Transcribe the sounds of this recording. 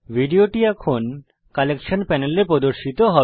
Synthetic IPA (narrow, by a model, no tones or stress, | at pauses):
bʱiɖioʈiɛkʰon | kalekʃonpɛneleɾpɾɔd̪oɾʃit̪oɦɔ